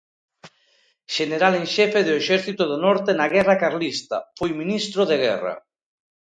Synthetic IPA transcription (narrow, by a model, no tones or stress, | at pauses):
ʃeneɾaleŋʃɛfeðoeʃɛɾθit̪oðonɔɾt̪enaɣɛrakaɾlist̪a̰fojminist̪ɾoðeɣ̞ɛ̰ra̰